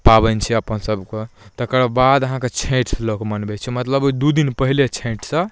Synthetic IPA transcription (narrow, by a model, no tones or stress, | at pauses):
pabənt͡ʃʰɛəpənsəbket̪əkɾbad̪əɦãket͡ʃʰẽʈslokmənbɛt͡ʃʰɛmət̪ləbod̪ud̪inpəɦilet͡ʃʰẽʈsə̃